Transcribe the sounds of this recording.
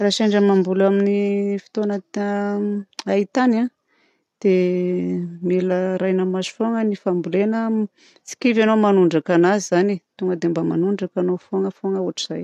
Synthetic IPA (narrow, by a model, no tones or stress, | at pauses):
raʃaɳɖ͡ʐəmambulaminifi̥t̪onə | ait̪ana | d̪̥e | meləɾajnəmazu̥foŋənifambulenə | t͡si̥kivanomanuɳɖ͡ʐakanazizanit̪uŋɡəd̪embama̰nuɳɖ͡ʐakanofoŋəfoŋəuaʈ͡ʂiz̥aj